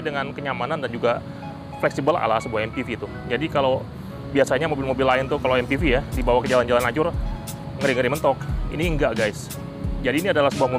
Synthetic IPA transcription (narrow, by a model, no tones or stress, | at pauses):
dəŋankəɲamanandand͡ʒuɡa | flɛksibəla̰lasəbuaɦɛmpifiːt̪u | d͡ʒadikalow | biasaɲamobɪlmobɪlːaɪnt̪ʊkaloɛmpifijadibawakəd͡ʒaland͡ʒalanad͡ʒʊr | ŋəɾɪŋəɾimənt̪ɔk̚ḭniəŋɡaʔɡaɪs | d͡ʒadiːniadalahsəbuahmu